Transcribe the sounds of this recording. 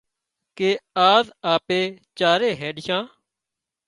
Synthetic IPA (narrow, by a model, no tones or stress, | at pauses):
keːaːzaːpeːt͡ʃaːɾeːɦɛːɗɪʃãː